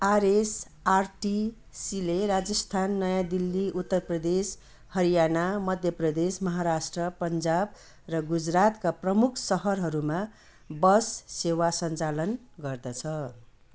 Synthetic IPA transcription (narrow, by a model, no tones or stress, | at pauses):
aɾes | arʈi | silerad͡zʌst̪ʰanːʌjãd̪ilːiʔut̪ːʌrprʌd̪es | hʌɾijanamʌd̪ʱjʌprʌd̪esmʌɦaɾasʈrʌpʌnd͡zab̚ | rʌɡud͡zrat̪kaprʌmukʰsʌɦʌrɦʌɾuma | bʌsːewasʌnt͡salʌn | ɡʌrd̪ʌt͡sʰʌ